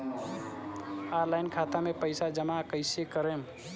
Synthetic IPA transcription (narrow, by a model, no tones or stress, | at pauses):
aɾlajnkʰat̪amepəɪsad͡ʒəmakəɪsekəɾem